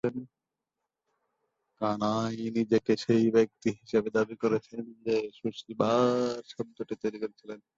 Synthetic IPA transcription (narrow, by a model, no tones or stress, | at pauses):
en | kanajnid͡ʑekeʃejbek̚t̪iɦiʃebed̪abikoɾet͡ɕʰend͡ʑeʃuʃibaɾʃɔmt̪oʈit̪ojɾikoɾet͡ɕʰilen